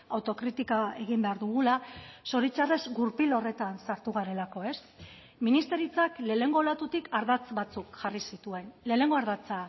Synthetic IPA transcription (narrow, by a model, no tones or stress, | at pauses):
awt̪o̞kɾit̪ikae̞ɣ̞imbe̞aɾðuɣ̞ulaso̞ɾit͡ʃare̞zɡuɾpilo̞re̞t̪ansaɾt̪uɣaɾe̞lako̞e̞s | minist̪e̞ɾit͡sakle̞ːne̞ŋɡo̞lat̪ut̪ikaɾðat͡sβat͡sukʝarisit̪ue̞nle̞ːne̞ŋɡo̞aɾðat͡sa